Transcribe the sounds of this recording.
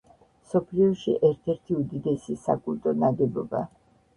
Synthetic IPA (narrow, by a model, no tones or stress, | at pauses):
msɔpʰliɔʃḭʔɛɾt̪ʰɛɾt̪ʰiud̪id̪ɛsisa̰kʼulˠt̪ʼɔnad̪ɛbɔba̰